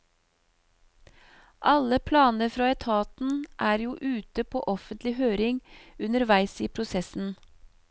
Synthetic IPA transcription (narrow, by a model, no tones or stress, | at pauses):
ʔɑləpʰlɑːnəɾfɾɑːɛt̪ʰɑːt̪n̩ʔæːɾjuːʔʉːt̪əpʰo̰ːʔɔfənt̪lɪhøːɾɪŋʉnəɾʋæɪsiːpʰɾʊsɛsn̩